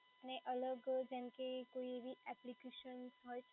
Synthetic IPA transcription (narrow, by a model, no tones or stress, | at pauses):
aneʔələɡd͡ʒɛnkekoiebʱiʔɛplikeʃənsɦɔj